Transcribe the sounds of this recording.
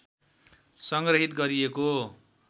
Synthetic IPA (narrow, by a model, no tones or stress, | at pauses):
sʌŋɡrʌɦit̪ɡʌɾieko